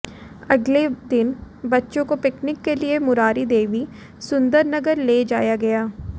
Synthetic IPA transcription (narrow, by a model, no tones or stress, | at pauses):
ɐɡled̪ɪn | bɐtːʃõkopɪknɪkːeliemʊɾaːɾid̪eːʋi | sʊ̃nd̪əɾnɐɡəɾleːd͡ʒaːjaɡɐjaː